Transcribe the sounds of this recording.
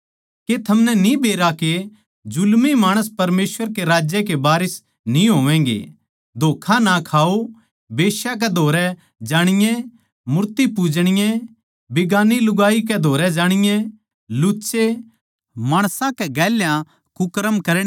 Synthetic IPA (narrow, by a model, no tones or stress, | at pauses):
ket̪ʰɐmnɛnĩbeːɾake | d͡ʒʊlmimaːɽ̃əspɐɾmeːsʋəɾkeɾaːd͡ʒjɛkebaːɾɪs | nĩɦoːʋɛ̃ːŋɡḛ | d̪ʱoːkʰãnakʰaːo | beːʃjak̬ɛd̪ʱoːɾɛ | d͡ʒaːɽ̃ɪjɛ̃ | mʊɾt̪ipuːd͡ʒɽ̃ɪjɛ̃ | bɪɡaːnilʊɡaːikɛd̪ʱoːɾɛd͡ʒaːɽ̃ɪjɛ̃ | lʊːt͡ʃe | maːɽ̃sãkɛɡɛːljã | kʊkɾəmkɐɾɽ